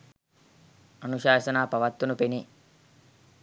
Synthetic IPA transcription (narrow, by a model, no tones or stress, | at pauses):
ɐnuʃaːʃɐnaːpɐʋɐt̪ːunupeni